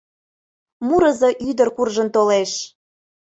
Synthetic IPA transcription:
muɾəzɤʔyd̪ərkurʒənt̪oleʃ

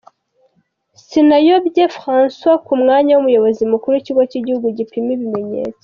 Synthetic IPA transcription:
sinajo̞bɟefʁãːnswakumŋaːɲawumujo̞βo̞zimukuɾuiciɡociɟihuɡuɟipimiβime̞ɲḛːt͡se̥

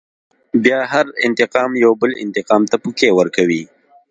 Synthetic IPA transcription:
bjɑɦaɾɪ̰nt̪ɪqɑːmjawbəlɪ̰nt̪ɪqɑːmt̪apukewəɾkawi

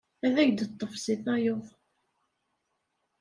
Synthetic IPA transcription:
æðæçd̪ət̪ˤːofsiθɑjoðˤ

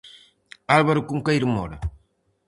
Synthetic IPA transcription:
alβaɾukuŋkaiɾmɔɾɐ

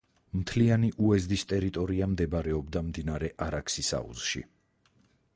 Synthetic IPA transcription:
mt̪ʰlianiʔuɛzd̪ist̪ʼɛɾit̪ʼɔɾiamd̪ɛbaɾɛɔbd̪amd̪inaɾɛʔaɾakʰsisa̰ṵz̥ʃḭ

